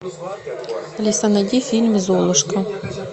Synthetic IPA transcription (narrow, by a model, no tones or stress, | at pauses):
ɐlʲisɐnɐdʲifʲilʲmizɔlˠʊʃkɐ